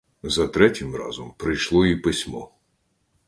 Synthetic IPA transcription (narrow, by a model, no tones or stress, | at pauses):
zɐt̪ɾɛtʲɪmrɑ̰zɔmpɾɪjʃlˠɔipɪsʲmɔ̰